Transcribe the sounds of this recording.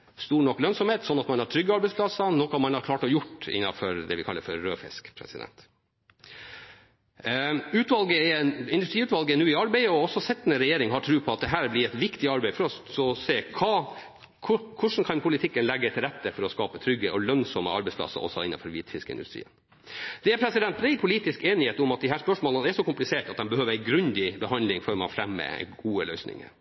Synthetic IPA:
st̪uːɳɔkːlœnsɔmheːt̪sɔnːɑt̪mɑnhɑʈ̪ʰɾʏɡːəɑɾbɛɪsplɑsənɔkɑmɑnɑɾkʰlɑːʈɔjʊʈːɪ̰nːɑfɔɾd̪ɛʋɪkʰɑ̰lːəɾfɔɾːøːfɪ̰skpʰɾɛ̰sɪd̪ɛ̰nt̪ | ʉːt̪ʋɑlɡəɛɪnd̪ʉst̪ɾiːʉːt̪ʋɑlɡəɛnʉːɪɑɾbæɪəɔɔsːɔsɛt̪ːnəɾɛjeːɾɪŋhɑʈʰɾʉːpʰɔɑt̪̚d̪ɛɦæːɾblɪɾɛt̪ʋɪkt̪ɪɑɾbæɪfɔɾɔɔseːkʰɑː | kʰʊkʰʊʂn̩kʰɑnpʰʊlɪt̪ʰɪkːənlɛɡːət̪ʰɪlɾɛt̪ːəfɔɾɔskɑːpət̪ʰɾʏɡəʔɔlœŋsɔmə̰ɑ̰ɾbɛɪspʰlɑ̰sːə̰ʔɔ̰sɔ̰ɪ̰nːɑ̰nfɔɾʋiːt̪fɪ̰skəɪnd̪ʉ̰st̪ɾḭːən | d̪̥ɛæɾpʰɾɛsɪd̪ɛnt̪̚bɾæɪpʰʊliːt̪ɪskeːnɪheːt̪ʊmɑt̪̚d̪ɪhæːspœʂmoːlənæʂɔkʊmplɪseːʈɑt̪̚d̪ɛnbəhøːʋəɾæɪɡɾʉnd̪ɪbəhɑnd̪lɪŋfɔɾmɑ̰fɾɛmːə̰ɡuːəlœ̰ʏsnɪ̰ŋə̰ɾ

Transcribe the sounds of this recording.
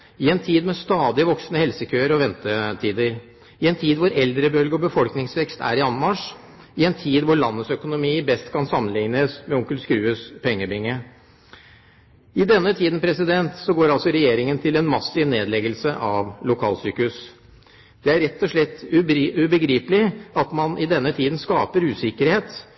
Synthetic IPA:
ɪɛnt̪ʰiːd̪mɛst̪ɑːd̪ɪəʋɔksnəhɛlsəkʰøːəɾɔʋɛnt̪ət̪ʰiːd̪əɾ | ɪɛnt̪ʰiːd̪ʋʊɾɛld̪ɾəbœlɡəɔbəfɔlknɪŋsʋɛkst̪ʰæ̰ɾɪɑnmɑʂ | ɪɛnt̪ʰiːd̪ʋʊɭɑnːəsœkʊnʊmiːbɛst̪kʰɑnsɑmːənlɪŋnəsmɛʊŋkəlskɾʉːəspʰɛŋːəbɪŋːə | ɪd̪ɛnːət̪ʰiːd̪ən̩pʰɾɛsɪd̪ɛnt̪sɔɡoːɾɑlsɔɾɛjeːɾɪŋənt̪ʰɪlɛnmɑsɪʋneːd̪lɛɡəlsəʔɑʋlʊkʰɑːlsyːkʉs | d̪̥ɛæɾɛt̪ːɔʂɭɛt̪ːʉbəɡɾiːpəlɪɑt̪mɑnʔɪd̪ɛnːət̪ʰiːd̪n̩skɑːpəɾʉːsɪkəɾheːt̪

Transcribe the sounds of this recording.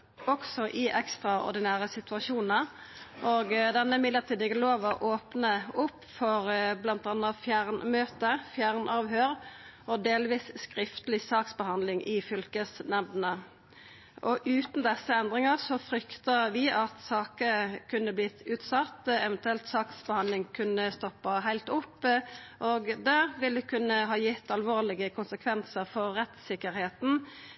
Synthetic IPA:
ɔksɔʔɪʔɛkst̪ʁɑɔ̰ʁd̪ɪnæːʁəsɪt̪ʉɑʃuːnə | ʔoːɡd̪ɛnːəmɪd̪əʁt̪ʰiːd̪ɪɡəloːʋəʔoːpnəʊpːfɔʁblɑnt̪ɑnəfjæʁnmøːt̪əfjæʁnʔɑːʋhøːʁɔd̪eːlʋiːsskʁɪft̪əlɪsɑːksbəhɑnd̪lɪŋʔɪfʏlkəsnɛʋnə | ʔɔʔʉːt̪n̩d̪ɛsːəɛnd̪ʁɪŋəʁsɔfɾʏkt̪əʋɪʔɑt̪sɑːkəkʰʉnːəblɪt̪ʰːʉːt̪sɑt̪ːɛʋɛnt̪ʉɛlt̪sɑːksbəhɑnlɪŋkʰʉnəst̪ɔpːɑɦæɪlt̪ʊpːʔoːɡd̪ɛʋɪld̪əkʰʉnːəɦɑːjɪt̪ːɑlʋoːʁlɪɡəkʰʊnsəkʰʋɛnsəʁfɔʁːɛt̪sɪkːəʁheːt̪n̩

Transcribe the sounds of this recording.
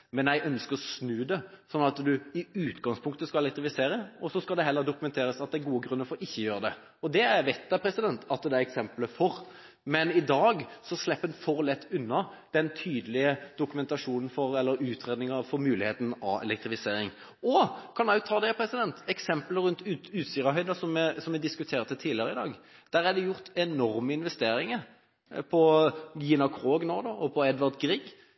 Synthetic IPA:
mɛnjæœnskəɾɔsnʉːd̪ɛsɔnːɑt̪d̪ʉɪʉːt̪ɡɑŋspʰʊŋk̚t̪əskɑlɛlɛkt̪ɾɪfɪseːɾəɔsɔskɑld̪ɛɦɛlːəɾd̪ʊkʉmɛnt̪ʰeːɾəsɑt̪̚d̪ɛæɾɡuːəɡɾʉnːəɾfɔɾɪçːəjøːɾəd̪ɛ | ɔd̪ɛæʋɛt̪̚d̪æpʰɾɛsɪd̪ɛnt̪ʰɑt̪̚d̪ɛæɾɛksɛmpləfɔɾ | mɛnɪd̪ɑːɡsɔslɛpːənfɔɾlɛt̪ːʉnːɑ | d̪̥ɛnt̪ʰyːd̪əlɪəd̪̥ʊkʉmɛnt̪ɑʂuːnn̩fɔɾɛlːəɾʉːt̪ʰɾeːd̪nɪŋəfɔɾmʉːlɪheːt̪n̩ɑ̰ɛ̰lɛk̚t̪ʁɪfɪseːɾɪŋ | ɔkʰɑnɑʉt̪ʰɑːd̪ɛpʰɾɛsɪd̪ɛnt̪ɛksɛmpləɾʉnt̪ʉʉːt̪siːʁɑɦœʏd̪ɑsɔmɛsɔmʋɪd̪ɪskʉt̪ʰeːʁt̪ət̪ʰiːlɪəʁəɪd̪ɑːɡ | d̪̥æʁæd̪ɛjʊʁt̪ɛnɔɾməɪnʋɛst̪eːɾɪŋəɾ | pʰɔjɪnɑkʰʁoːɡnoːd̪oʔɔpʰɔɛd̪ʋɑʁd̪ɡʁiːɡ

